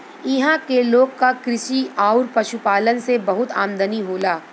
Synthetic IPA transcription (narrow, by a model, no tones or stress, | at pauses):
ɪɦãkeloːɡkakɾɪʃiaːʊɾpɐʃupaːlənsebɐɦʊt̪aːmd̪əniɦoːlaː